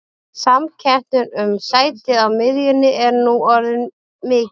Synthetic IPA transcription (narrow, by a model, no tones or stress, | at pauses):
samcʰɛnt̪nʏnʏmsaːjt̪ɪawmɪðjɪnːɪʔɛɾnuɔɾðɪn | mɪː